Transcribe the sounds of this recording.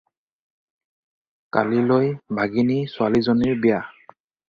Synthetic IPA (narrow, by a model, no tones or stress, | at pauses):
ka̰lilojbʱaɡinisʊalizoniɹbija